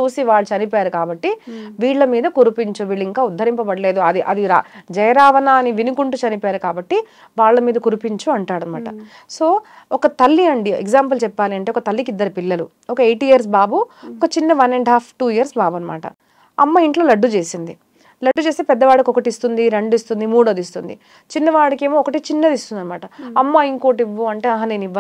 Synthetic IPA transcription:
t͡ʃuːsiʋaːɭːut͡ʃɐnipaːɾukaːbɐʈːiʋiːɭːɐmiːd̪ɐkuɾupiɲt͡ʃuʋiːɭːuiŋkaːud̪ʱːɐɾimpɐbɐɽɐle̞ːd̪uɐd̪iʔɐd̪iɾa̰d͡ʒɐjɐɾaːʋɐnaːniʋinukuɳʈut͡ʃɐnipaːɾukaːbɐʈːi | ʋaːɭːɐmiːd̪ɐkuɾupiɲt͡ʃuɐɳʈaːɽɐːa̰ːʈɐ | so̞ːɔkɐt̪ɐlːiɐɳɖieɡzaːmpɐlt͡ʃɛpːaːliɐɳʈeɔkɐt̪ɐlːikid̪ːɐɾipilːɐlṵ | ɔkɐejʈijɐɾs̬baːbuɔkɐt͡ʃinːɐʋɐneɳɖɦaːpʰʈuːijɐɾsbaːbɐnɐma̰ːʈɐ̰ | ɐ̰mːaiɳʈloːlɐɖːut͡ʃe̞ːsind̪i | lɐɖːut͡ʃeːst̪eːpɛd̪ːɐʋaːɽɐkiɔkɐʈiist̪und̪iɾeɳɖuist̪und̪imuːɽɐːd̪ist̪und̪i | t͡ʃinːɐʋaːɽɐke̞ːmoːɔkɐʈit͡ʃinːɐd̪ist̪und̪ɐnɐmaːʈɐɐmːaiŋkoːʈiʋːuɐɳʈe̞ːɐɦɐneːniʋːɐ

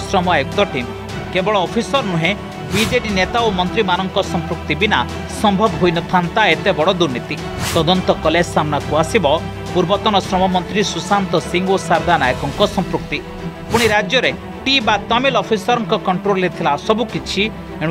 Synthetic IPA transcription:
sɾɔmɔekt̪ɔʈim | kebɔɭɔːpʰisɔɾnuɦẽ | bid͡ʒeʈinet̪aomɔnt̪ɾimanɔŋkɔsɔmpɾuk̚t̪ibina | sɔmbʱɔbɦojnɔt̪ʰant̪aet̪ebɔɽɔd̪uɾnit̪i | t̪ɔd̪ɔnt̪ɔkɔlesamnakuasibɔ | puɾbɔt̪ɔnɔsɾɔmɔmɔnt̪ɾisusant̪ɔsiŋɡosaɾd̪anajɔkɔŋkɔsɔmpɾuk̚t̪i | puɽ̃iɾad͡ʒjɔɾe | ʈibat̪ɔmilɔpʰisɔɾɔŋkɔkɔɳʈɾollet̪ʰilasɔbukit͡ʃʰi | eɽ̃

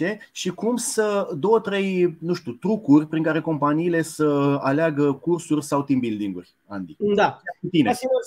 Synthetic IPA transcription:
e̞ʃikumsəd̪o̞wət̪ɾe̞jnũʃt̪ut̪ɾukurʲpɾiŋkaɾe̞ko̞mpaniːle̞səaleaɡəkursurʲsawt̪imbild̪iŋɡṵrʲ | a̰nd̪id̪aaut̪inesiɡu

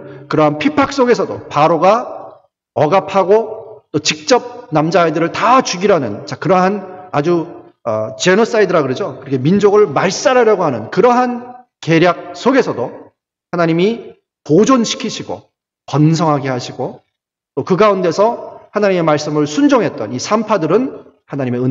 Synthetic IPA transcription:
kɯɾʌɦanpʰipʰak̚s͈oɡe̞sʰʌdo̰paɾoɡa | ʌɡapʰaɡot͈ot͡ɕik̚t͡ɕ͈ʌp̚namd͡ʑaidɯɾɯɭtat͡ɕuɡiɾanɯ̰nt͡ɕakɯɾʌɦanad͡ʑu | ʌt͡ɕe̞nos͈aidɯɾaɡɯɾed͡ʑokɯɾʌkʰemind͡ʑoɡɯɭmaɭs͈aɾaɾjʌɡoɦanɯnkɯɾʌɦan | ke̞ɾjak̚s͈ʰoɡe̞sʰʌdo | hanaɲimi | pod͡ʑonɕʰi̥kʰiɕʰiɡo̰ | pʌnsʰʌŋɦaɡehaɕʰiɡo | t͈okɯɡaunde̞sʰʌhanaɲime̞maɭs͈ɯmɯɭsʰund͡ʑoŋɦet̚t͈ʌnisʰampʰadɯɾɯn | hanaɲime̞ɯ

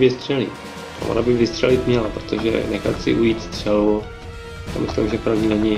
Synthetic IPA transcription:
vɪst̪r̥ɛlḭ | a̰vonabɪvɪst̪r̥ɛlɪt̪mɲɛlapɾot̪oʒɛ̰nɛxat̪sɪ̰ʔujiːt̪st̪r̝̥ɛlu | ja̰ːmɪslɪmʒɛpɾavɲiːnɛɲɪ

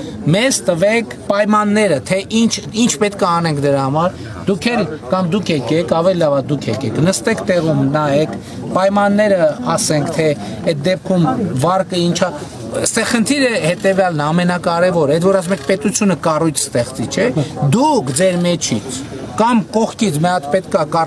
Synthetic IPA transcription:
mɛzt̪əvɛkʰpɑjmɑnːɛɾət̪ʰɛʔint͡ʃʰint͡ʃʰpɛt̪kəɑnɛŋkʰd̪əɾɑhɑmɑɾ | d̪ukʰɛɾkɑmd̪ukʰɛkɛkʰɑvɛlilɑvɑd̪ukʰɛkɛkʰnəst̪ɛkt̪ɛʁumnɑɛkʰ | pɑjmɑnːɛɾəɑsɛŋkʰt̪ʰɛ | ɛt̪̚d̪ɛp̚kʰumvɑɾkəint͡ʃʰɑ | st̪ɛχənt̪ʰiɾəhɛt̪ɛvjɑlnəɑmɛnɑkɑɾɛvɔɾɛd̪vɔɾɑs̬umɛkʰpɛt̪ut͡sʰjunəkɑrujt͡sʰst̪ɛχt͡sit͡ʃʰɛd̪ukʰd͡zɛɾmɛt͡ʃʰit͡sʰ | kɑmkɔχkit͡sʰmɛɑt̪pɛt̪kɑkɑ

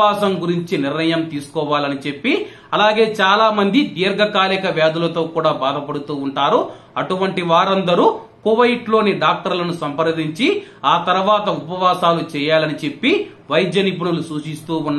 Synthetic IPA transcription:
aːsɐmɡuɾiɲt͡ʃiniɾnɐjɐmt̪iːsu̥kɔːʋaːlɐnit͡ʃe̞pːi | ɐlaːɡe̞ːt͡ʃaːlaːmɐnd̪id̪iːɐɾɡɐkaːlikɐʋjaːd̪ulɐt̪o̞ːkuːɽaːbaːd̪ɐpɐɽut̪uːɳʈaːɾu | ɐʈuʋɐɳʈiʋaːɾɐnd̪ɐɾuːkuʋɐjʈlo̞ːniɖaːk̚ʈɐɾlɐnusɐmpɐɾd̪iɲt͡ʃiaːt̪ɐɾuʋaːt̪ɐupɐʋaːsaːlut͡ʃɛːjaːlɐnit͡ʃe̞pːi | ʋɐjd̪jɐnip̬uɳɐlusuːʃist̪uːnː

